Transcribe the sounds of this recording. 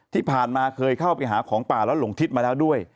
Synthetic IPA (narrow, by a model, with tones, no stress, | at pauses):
t̪ʰiː˥˩pʰaː˨˩nmaː˧kʰɤː˧jkʰa˥˩wpa˧jɦaː˩˦kʰɔː˩˦ŋpaː˨˩lɛː˦˥wlo˩˦ŋt̪ʰi˦˥t̪̚maː˧lɛː˦˥wdu˥˩əj